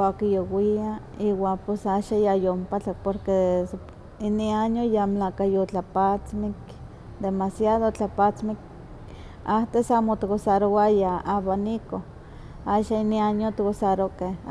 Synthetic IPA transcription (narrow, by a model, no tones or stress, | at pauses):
akijowia | iwaːposaʃajajompat͡ɬak̚poɾkes | iniaɲojamlakajot͡ɬapat͡smik | d̪emasjaðot͡ɬapat͡smik̚ | aht̪esamot̪kosaɾoajaaβaniko | aʃainiaɲot̪kosaɾokeh